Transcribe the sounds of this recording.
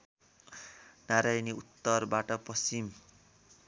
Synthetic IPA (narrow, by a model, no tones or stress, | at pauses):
naɾajniut̪ːʌrbaʈʌpʌst͡ʃim